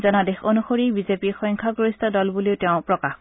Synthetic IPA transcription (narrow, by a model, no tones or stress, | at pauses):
zɔnadexonuxoɹibizepixɔjŋkʰaɡoist̪adɔlbuliʊtɛʊ̃pɹɔkax